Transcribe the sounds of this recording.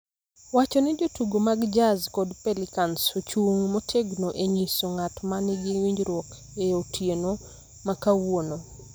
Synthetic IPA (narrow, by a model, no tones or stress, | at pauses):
wat͡ʃɔnɛd͡ʒotuɡomaɡd͡ʒazkɔdpelɪkansot͡ʃuŋmotʰeɡnoʔeɲisoŋatmanɪɡɪwiɲd͡ʒɾwɔk | eotʰjeno | makawono